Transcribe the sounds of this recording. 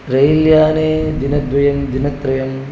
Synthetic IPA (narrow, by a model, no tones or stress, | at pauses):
ɾɐjljaːneːd̪inɐd̪ʋɐjɐmd̪inɐt̪ɾɐjɐm